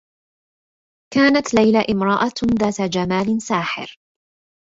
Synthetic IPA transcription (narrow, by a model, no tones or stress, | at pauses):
kaːnat̪lajlaʔɪmɾˤɑʔaðaːt̪ad͡ʒamaːlɪnsaːħɪ̰ɾ